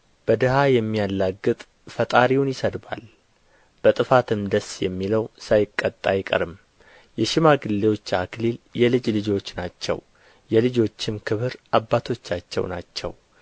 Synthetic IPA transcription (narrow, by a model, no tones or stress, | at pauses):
b̥əd̪ɨhajɛmːijalːaɡːɨt̪ʼ | fət̪ʼaɾiwunjɪsəd̪ba̰l | b̥ət̪ʼɨfat̪ʰɨmd̪əsjɛmːiləwsajɪkʼːət̪ʼːajɪkʼə̰ɾɨm | jɛʃɪmaɡɨlːe̞wo̞t͡ʃːakliljɛlɨd͡ʒlɨd͡ʒo̞t͡ʃːnat͡ʃːɛ̰w | jɛlɨd͡ʒo̞t͡ʃːɪmkʰɨβɨɾʔabːat̪ʰo̞t͡ʃːat͡ʃːɛ̰wnat͡ʃːɛ̰w